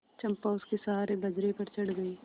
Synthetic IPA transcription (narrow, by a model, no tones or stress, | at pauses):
t͡ʃɐ̃mpaːʊskesaːɾebɐd͡ʒɾepɐɾt͡ʃɐɽɡɐiː